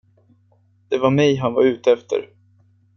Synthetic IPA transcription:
d̪̥ɛvaɾmɛjɦanvaɾʉ̟ːt̪əɛft̪ə̰ɾ

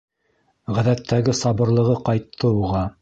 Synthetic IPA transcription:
ʁæðæt̪ʰːæɡɘsɑbɤ̆ɾlˠɤ̆ʁɤqɑjt̪ʰːɤuʁɑ

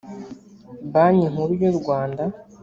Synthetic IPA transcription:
baɲeŋ̥uɾujoɾɡwaːnda

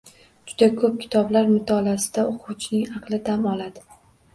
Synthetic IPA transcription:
d͡ʒʊd̪akʰɵp̚kʲʰɪ̥t̪ʰɒblaɾmʊt̪ʰɒlasɪd̪aoqʰʊwt͡ʃʰnɪŋɑqlˠɪd̪amɒlad̪ɪ

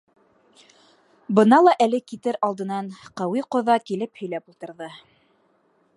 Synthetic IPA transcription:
bɤ̆nɑlˠɑʔælɘkit̪ɘɾɑlˠd̪ɤ̆nɑɴqæwiqŏðɑkilɘphɵ̆jlæpulˠt̪ɤ̆ɾðɤ

